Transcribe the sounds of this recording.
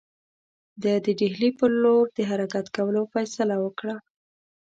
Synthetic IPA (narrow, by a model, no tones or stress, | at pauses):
d̪əd̪əɖeɦlipəloɾd̪əɦaɾakat̪kawəlofajsalawəkɽa